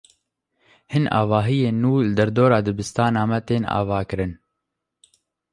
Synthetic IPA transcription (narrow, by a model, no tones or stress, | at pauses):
hɨnʔɑ̰ːvɑːɦijeːnːuːlɨd̪ɛɾd̪oːɾɑːd̪ɨbɨst̪ɑːnɑːmɛt̪eːnɑ̰ːvɑːkɨɾɨn